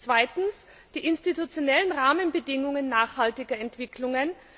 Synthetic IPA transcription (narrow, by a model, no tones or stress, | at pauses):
t͡sv̥aɪtn̩s | d̥iːʔɪnstitut͡sjonɛlənʁaːmənbədɪŋʊŋənːaːχhaltɪɡɐɛntv̥ɪkʰlʊŋən